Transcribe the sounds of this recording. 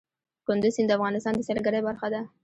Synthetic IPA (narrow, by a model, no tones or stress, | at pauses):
kʊnd̪ʊzhɪnd̪əafɣɑnɪst̪ɑnd̪əsalɡaɾajbaɾxad̪a